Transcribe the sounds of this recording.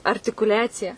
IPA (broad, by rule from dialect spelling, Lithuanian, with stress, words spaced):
ɐrʲtʲɪkʊˈlʲæːt͡sʲɪjɛ